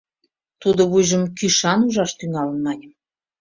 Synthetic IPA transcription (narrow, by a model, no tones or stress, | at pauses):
t̪ud̪ŏβujʒə̆mkyʃɑnuʒɑʃt̪yŋɑlə̆nmɑnʲəm